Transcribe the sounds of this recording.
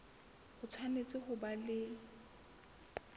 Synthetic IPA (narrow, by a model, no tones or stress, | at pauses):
χʊt͡sʰwanet͡sʼɪχʊbalɪ